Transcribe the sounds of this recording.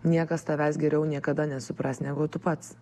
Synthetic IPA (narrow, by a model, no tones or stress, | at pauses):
nʲiɛkɐst̪ɐʋʲæːsɡʲɛɾʲɛʊnʲiɛkɐd̪ɐnʲɛsʊpɾɑst̪nʲæːɡʊt̪ʊpɐt̪s